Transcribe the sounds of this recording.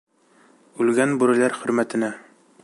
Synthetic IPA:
ʉlɡænbuɾɘ̆læɾχɵ̆ɾmæt̪ɘ̆næ

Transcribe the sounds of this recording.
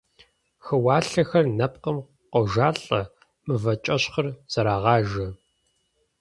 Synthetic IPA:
xɨwaːɬɐxɐrnɐp̚qəm | qɐʒaːɬʼɐ | mɨvɐt͡ʃʼɐɕχɐrz̥ɐɾaːʁɑːʒɐ

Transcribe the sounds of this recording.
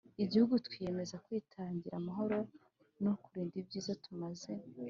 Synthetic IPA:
iɟihuɡutwije̞me̞zakwiːtʰaːɲɟiɾamaɦo̞ɾo̞ | nokuɾiːndib̚ɟiːzotumaze̞

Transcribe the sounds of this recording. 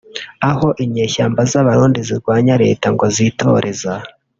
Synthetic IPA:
aho̞ʔimɲeːʃaːmbazaβaɾuːndiziɾɡwaːɲaɾe̞̰ːtaŋɡozitʰo̞̰ɾʔe̞za

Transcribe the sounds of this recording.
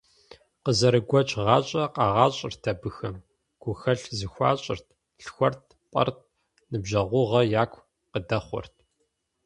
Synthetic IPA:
qəzɐɾɨɡʷɔt͡ʃʼʁɑːɕʼɐqɑːʁɑːɕʼɪrtʰɐbɨxɐm | ɡ̥ʷʊxɐɬzɨxʷɑ̰ːɕʼɪ̰rtʰ | ɬxʷɔrt̚ʰpʼɐ̰rt̚ʰ | nɨbʒɐʁʷʊʁɐjaːkʷʰ | qədɐχʷɔ̰rtʰ

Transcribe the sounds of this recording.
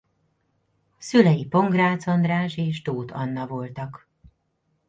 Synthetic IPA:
sylɛjipo̞ŋɡraːt̪so̞nd̪raːʒeːʒd̪oːt̪ʰɒnːɒvo̞lt̪ɒk

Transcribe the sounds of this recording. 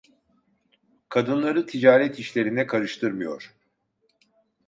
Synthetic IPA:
kʰad̪ɯnlˠaɾɯt̪ʰid͡ʒaːɾɛt̪ʰiʃlʲe̞ɾinɛkʰaɾɯʃt̪ʰɯɾmɯjo̞̰ɾ̥

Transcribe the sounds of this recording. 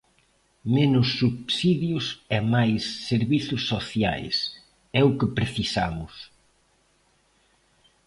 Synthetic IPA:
menʊsːuβsiðjʊsɛmajsːeɾβiθʊsːoθja̰js | ɛʊkɪpɾeθisamʊs

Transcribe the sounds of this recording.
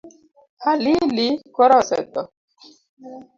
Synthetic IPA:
alilikɔɾɔsɛ̰t̪ɔ

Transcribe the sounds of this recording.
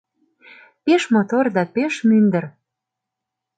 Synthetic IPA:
peʃmot̪ord̪ɑpeʃmynd̪ə̆r

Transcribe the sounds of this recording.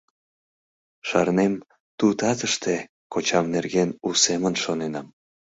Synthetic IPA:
ʃɑrnem | t̪ut̪ɑt̪əʃt̪e | kot͡ɕɑmnerɣenusemənʃonenɑm

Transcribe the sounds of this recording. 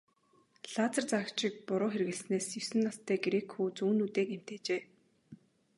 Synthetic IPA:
ɮaːt͡sə̆rt͡sakt͡ɕɪ̆k̚pʊɾʊːxerɣɘ̆ɮsneːsjɵsɘ̆nːast̪ʰæːɡeɾeːkxuːt͡suːnuːt̪eːkem̥t̪eːt͡ɕeː

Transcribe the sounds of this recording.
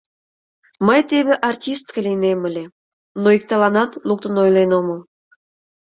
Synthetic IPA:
məjt̪eβʲeʔɑrtʲist̪kəlʲijnemə̆lʲe | noik̚t̪ɑlɑnɑt̪luk̚t̪ə̆nojlenoməlˠ

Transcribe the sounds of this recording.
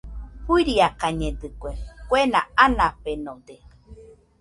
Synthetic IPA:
huiɾiakaɲẽd̪ɨkʷekʷenaanãpenõd̪e

